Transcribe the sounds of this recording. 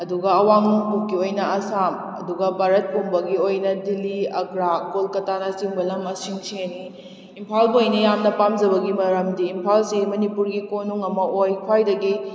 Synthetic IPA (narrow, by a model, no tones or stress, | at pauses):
ɐduɡɐɐwaŋnuŋpukːiojnɐɐsam | ɐ̰duɡɐbaɾɐt̚puŋbɐɡiojnɐdiliɐkɾaɡolkɐtanɐsiŋbɐlɐmɐsiŋsiniː | mpʰalbɐojnɐjamnɐpamd͡ʒɐbɐɡimɐɾɐmdiːmpʰalsimɐnipuɾɡikonuŋɐmɐojkʰajdɐɡi